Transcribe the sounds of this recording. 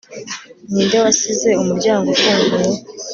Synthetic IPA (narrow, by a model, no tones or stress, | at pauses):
niːndewasize̞umuɾɟaːŋɡokuːŋɡu